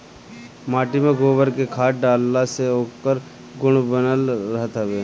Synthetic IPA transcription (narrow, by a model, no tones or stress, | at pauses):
maːʈimẽɡoːbəɾkekʰaːʈ̚ɖaːlːaseoːkəɾ | ɡʊɽ̃bənəlɾəɦt̪əbeː